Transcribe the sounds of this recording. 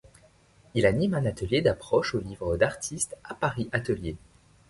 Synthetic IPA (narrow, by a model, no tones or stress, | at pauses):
ilanimɛ̃nat̪əljed̪apχɔʃolivʁəd̪aʁt̪ʰist̪apaʁiʔat̪əlje